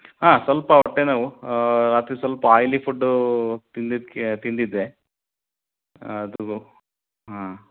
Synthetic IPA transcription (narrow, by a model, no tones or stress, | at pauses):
ɦaːsʋɐlpɐɔʈːenaːʋuɾaːt̪ɾisʋɐlpɐaːjlipʰuɖːut̪ind̪id̪ket̪ind̪id̪ːe | ɐd̪uɡu | ɦa